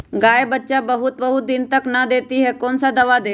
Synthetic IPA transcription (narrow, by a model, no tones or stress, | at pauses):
ɡaːebətːʃabəɦʊt̪̚bəɦʊt̪̚d̪ɪnt̪əknəd̪eːt̪iɦɛkoːnsad̪əʋad̪eː